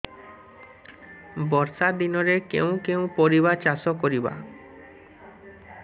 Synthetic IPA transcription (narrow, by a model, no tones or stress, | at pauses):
bɔɾsaɾd̪inoɾekew̃kew̃poɾiβaɾt͡ɕaʃokoɾiba̰